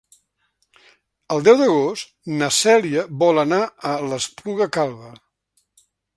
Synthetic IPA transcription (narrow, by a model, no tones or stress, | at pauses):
əlˠd̪ɛwd̪əɣ̞ost̪nəsɛliəβɔlənaələspluɣəkalˠɣə